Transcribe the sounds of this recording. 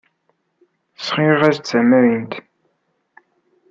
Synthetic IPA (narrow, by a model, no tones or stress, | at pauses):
sχiʁæzt͡sːæmæɾint̪